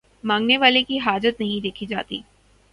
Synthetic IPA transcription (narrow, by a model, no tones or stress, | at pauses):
mãːŋɡneʋaːlekiɦaːd͡ʒət̪nɐɦĩd̪eːkʰid͡ʒa̰ːt̪ḭː